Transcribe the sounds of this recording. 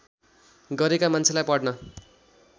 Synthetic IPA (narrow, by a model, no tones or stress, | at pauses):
ɡʌɾekamant͡sʰelajpʌɽnʌ